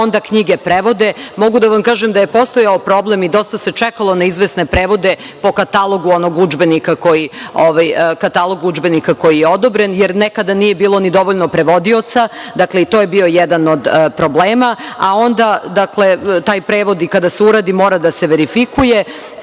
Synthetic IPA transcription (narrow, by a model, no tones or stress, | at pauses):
ond̪akɲiɡepɾeʋo̞d̪e̞mo̞ɡud̪aʋamkaːʒemd̪ajepo̞st̪ojaopɾo̞ble̞mid̪o̞st̪ase̞t͡ʂɛkalˠo̞naizʋesne̞pɾeːʋo̞d̪e̞ | po̞kat̪alˠo̞ɡuo̞no̞ɡud͡ʒbe̞nikako̞jioʋajkat̪alˠo̞ɡud͡ʒbe̞nikako̞jijeo̞d̪obɾe̞njeɾnekad̪anije̞biːlˠo̞nid̪o̞ʋoʎnopɾe̞ʋo̞d̪io̞t̪sad̪akle̞it̪o̞ːjebio̞jɛd̪ano̞d̪pɾobleːmaao̞nd̪ad̪akle̞t̪aːjpɾeːʋo̞d̪ikad̪aseuɾaːd̪imo̞ːɾad̪aseʋeɾifikuje